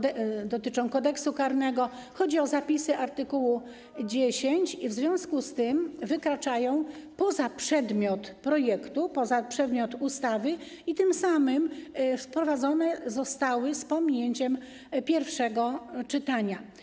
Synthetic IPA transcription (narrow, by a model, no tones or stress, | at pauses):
d̪ɔt̪ɘt͡ʂɔ̃w̃kɔd̪ɛksukaɾnɛɡɔxɔd͡ʑiɔzapʲisɘʔaɾt̪ɘkuwu | d͡ʑeɕeɲt͡ɕivzvʲjɔ̃w̃skust̪ɘmvɘkɾat͡ʂajɔ̃w̃pɔzapʂɛd̪mʲjɔt̪pɾɔjɛkt̪upɔzapʂɛd̪mʲjɔt̪ust̪avɘ | it̪ɘmsamɘmfpɾɔvad̪zɔnɛzɔst̪awɘspɔmʲiɲeɲt͡ɕɛm | pʲjɛɾfʂɛɡɔt͡ʂɘt̪aɲa